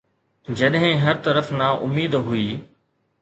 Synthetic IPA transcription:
d͡ʑɐɗɦɪ̃ɦɐɾt̪ɐɾəfnaʔʊmiːd̪ɦuiː

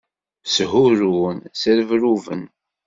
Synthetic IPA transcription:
sɦʊɾunsəɾəvɾuvə̰n

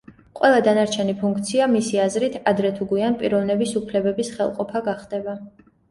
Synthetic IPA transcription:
qʼwɛlˠad̪anaɾt͡ʃʰɛnipʰuŋkʰt̪sʰiamisiazɾit̪ʰad̪ɾɛt̪ʰuɡianpʼiɾɔvnɛbisupʰlɛbɛbisχɛlˠqʼɔpʰaɡaχd̪̥ɛba

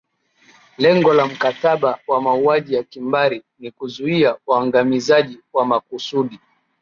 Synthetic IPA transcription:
lɛŋɡɔlam̩kataɓawamauaʄijakimbaɾi | nikuzuiawaŋɡamizaʄiwamakusuɗi

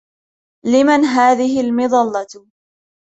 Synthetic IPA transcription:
lɪmanɦaːðɪɦɪlmɨðˤɑlːɑt̪

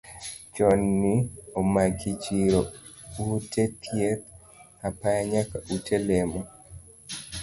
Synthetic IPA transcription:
t͡ʃɔnːiomakit͡ʃiɾoutet̪ʰjet̪̚ | apajaɲakaʔutelemɔ

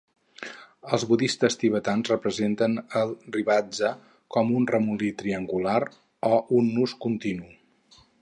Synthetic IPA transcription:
əlˠzβuðist̪əst̪iβ̞ət̪anzrəpɾəzent̪ənəlˠriβad͡zə | kɔmunrəmulit̪ɾiəŋɡulaɾ | ɔʔunːuskunt̪inu

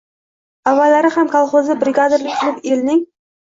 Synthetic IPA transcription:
avːalaɾɪhamkʰɑlˠχozɪbɾɪɡad̪ɪɾlɪk̚ʲt̪ʰɪlˠɪpelnɪŋ

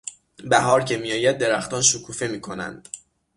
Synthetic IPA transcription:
bæɦɒːɾcʰe̞mijɒːjæd̪̚ːe̞ɾæxt̪ɒːnʃokʰuːfe̞miːkʰo̞næ̰nd̪̥

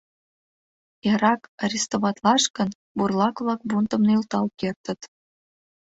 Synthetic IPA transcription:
eɾɑkɑɾʲist̪oβɑt̪lɑʃkə̆n | burlˠɑkβlɑk̚bunt̪ə̆mnɤilt̪ɑlkert̪ə̆t̪

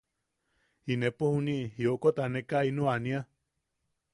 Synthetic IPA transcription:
inẽpohunĩʔɦiokot̪anẽkainũanĩa

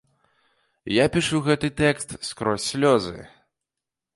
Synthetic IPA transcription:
japʲiʂuɣɛt̪ɨt̪ɛkst̪skɾɔsʲːlʲɔzɨ̰

